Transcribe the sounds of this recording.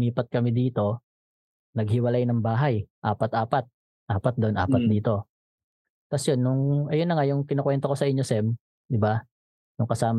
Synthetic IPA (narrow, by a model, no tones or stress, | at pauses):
iːpɐt̪̚kɐmɪd̪iːt̪o̞ | nɐɡ̚hɪwɐlajnɐŋbaːɦɐjʔa̰ːpɐt̪ʔaːpɐt̪̚ | ʔaːpɐt̪̚d̪oʔonʔa̰ːpɐt̪̚d̪iːt̪o̞ | t̪ɐsjonːʊŋʔɐjonːɐŋajʊŋkɪnokwɛnt̪o̞ko̞sɐʔɪɲːo̞sɛm | d̪ɪba | jʊŋkɐsaːm